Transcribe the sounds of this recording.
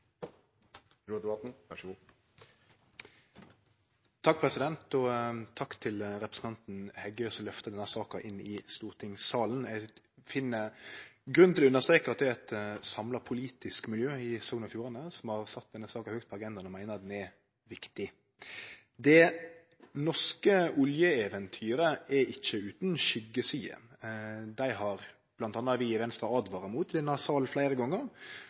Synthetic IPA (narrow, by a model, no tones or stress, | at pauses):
ɾuːd̪ɛbɑt̪n̩ʋæʂəɡuː | t̪ʰɑk̚pʰʁɛsɪd̪ɛnt̪ɔt̪ʰɑkt̪ʰɪlɾɛpɾəsn̩t̪ɑnt̪n̩hɛɡːəsɔlœft̪əd̪ɛnːhæsɑːkɑʔɪnːɪst̪uːʁt̪ʰɪŋsɑːln̩ɛ | fɪnːəɡɾʉnʰɪlʉnːəst̪ɾʁeːkəɾɑt̪̚d̪ɛæɛt̪sɑmlɑpʰʊliːt̪ɪskmɪljøːɪsɔːɡəəfjuːɾɑnəsɔmhɑʁsɑt̪̚d̪ɛnːəsɑːkɑhøːkt̪̚pʰɔɑɡɛnd̪ɑnɔmæɪnəʁɑd̪ɛnɛ | ʋɪkt̪ɪ | d̪ɛ | nɔʂkəʊljəɛʋɛnt̪ʰyːɾəʔɛɪçːəʉːt̪nʃʏɡəsyːə̰ | d̪æɪɦɑʁ | b̥lɑnt̪ɑːnːɑʋɪʋɛnst̪ʁɑɑd̪ʋɑːɾəmuːt̪d̪ɛnɑsɑːlflæɪɾəɡɔŋːəʁ